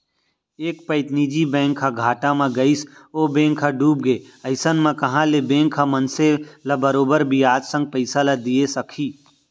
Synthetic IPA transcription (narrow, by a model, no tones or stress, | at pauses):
eːkpəɪt̪niːd͡ʒibɛ̃ːŋkʰɦaɡʱaːʈamãɡəɪsoːbẽːŋkʰːaɖuːb̚ɡe | əɪsənmãkɐɦãlebẽːŋkʰamənselabəɾoːbəɾbʱiaːt̪sə̃ŋɡ̚pəɪsalad̪iesəkʰiː